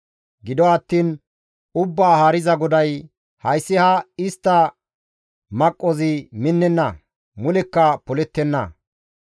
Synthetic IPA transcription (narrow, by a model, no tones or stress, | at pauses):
ɡɪd̪ɔɐt̪ːiːn | ʊbːaːhaːɾɪzɐɡɔd̪ɐj | hɐjsːɪhɐɪst̪ːɐ | mɐkʼːɔzɪmɪnːɛnːɐ | mʊlɛkːɐpɔlɛt̪ːɛnːɐ̰